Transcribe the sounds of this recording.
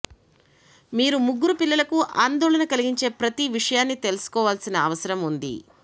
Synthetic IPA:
miːɾumuɡːuɾupilːɐlɐkuʔaːnd̪ɔːlɐnɐkɐliɡiɲt͡ʃe̞ːpɾɐt̪iʋiʂɐjaːnːit̪e̞lusu̥kɔːʋaːlsinɐːʋɐsɐɾɐmund̪ḭ

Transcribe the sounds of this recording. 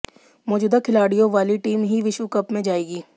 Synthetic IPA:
mɔːd͡ʒuːd̪akʰɪlaːɽijõʋaːliʈiːmɦiʋɪʃʋukɐpmẽd͡ʒaːeːɡiː

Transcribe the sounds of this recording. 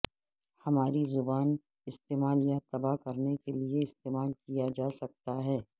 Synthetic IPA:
hɐmaːɾizʊbaːn | ɪst̪eːmaːljat̪ɐbakɐɾnekelieɪst̪eːmaːlkijad͡ʒaːsɐk̚t̪aɦɛː

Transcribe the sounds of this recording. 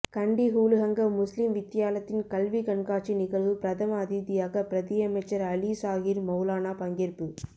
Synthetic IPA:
kɐɳɖiɦuːlɯɣɐŋɡɐmʊslɪmʋɪt̪ːɪjaːlɐt̪ːɪnkɐlʋikɐɳkaːʈt͡ʃːinɪɣɐɭʋɯpɾɐðʰɐmɐːðiðɪjaːɣɐpɪɾɐðijɐmɐɪt͡ʃːɐɾɐlisaːɣɪɾmɐʊlaːnaːpɐŋɡɪɾpɯ

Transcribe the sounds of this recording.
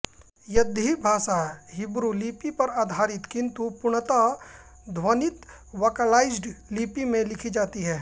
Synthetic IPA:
jɐd̪ʱibʱaːʃaɦɪbɾuliːpipɐɾaːd̪ʱaːɾɪt̪kɪ̃nt̪upʊɳət̪a | d̪ʱwənɪt̪ | ʋoːkəlaːɪd͡ʒɖliːpimẽlɪkʰid͡ʒaːt̪iɦɛː

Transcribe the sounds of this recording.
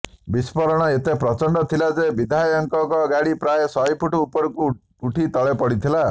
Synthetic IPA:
bispɔɾɔɽ̃ɔet̪epɾɔt͡ʃɔɳɖɔt̪ʰilad͡ʒebid̪ʱajɔŋkɔkɔɡaɽipɾajesɔjpʰuʈuupɔɾku | uʈʰit̪ɔɭepɔɽit̪ʰila

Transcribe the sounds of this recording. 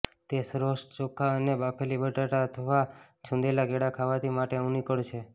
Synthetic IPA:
t̪esɾost͡ʃokʰaənebapʰelibəʈaʈaət̪ʰəʋa | t͡ʃʰũnd̪elaɡeɽakʰaʋat̪ʰimaʈeəũnikəɭt͡ʃʰe

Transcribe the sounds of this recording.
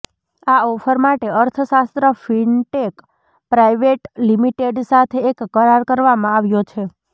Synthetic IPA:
aɔfʰəɾmaʈeəɾt̪ʰəsast̪ɾəfiɳʈek | pɾaiʋeʈlimiʈeɖsat̪ʰeːkːəɾaɾkəɾʋamãaʋjot͡ʃʰe

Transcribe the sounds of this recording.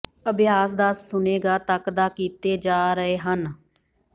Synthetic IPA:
əbjaːs̬d̪aːssʊneːɡaːt̪əkd̪aːkiːt̪eːd͡ʒaːɾəeːɦən

